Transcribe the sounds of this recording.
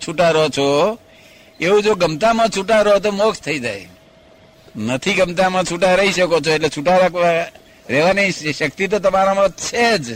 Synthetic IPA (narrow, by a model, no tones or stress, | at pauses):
t͡ʃʰuʈaɾəɦɔt͡ʃʰo | eud͡ʒoɡəmt̪amãt͡ʃʰuʈaɾəɦɔt̪̬omokʰt̪ʰəid͡ʒaḛ | nət̪ʰiɡəmt̪amãt͡ʃʰuʈaɾəɦisəkot͡ʃʰoeʈlet͡ʃʰuʈaɾakʋa | ɾeʋanəisəkt̪it̪̬ot̪əmaɾamãt͡ʃʰed͡ʒ